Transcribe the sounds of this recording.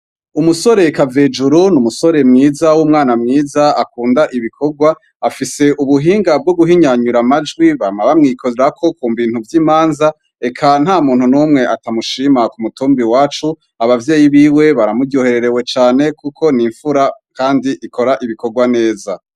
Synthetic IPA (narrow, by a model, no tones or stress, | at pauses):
umuso̞ɾe̞kave̞d͡ʒuɾunumuso̞ɾe̞mŋiːzawumŋaːnamŋiːzaakuːndaʔiβikʰo̞ɡwa | afise̞ʔuβuɦiːŋɡab̚ɡoɡuɦiɲaɲuɾamad͡ʒɡwiβamaβamŋiːkʰozeɾakʰo̞kʰuːmbiːn̥uvjiːmaːnza | e̞kʰan̥haːmuːnhunumŋe̞ʔatamuʃimakumutuːmbiwaːt͡ʃu | aβavjeːjiβiːwe̞βaɾamuɡjohe̞ɾe̞ɾe̞we̞t͡ʃaːne̞kukʰo̞niɱfuɾakaːndiʔikʰo̞ɾaʔiβiko̞ɡwane̞ːza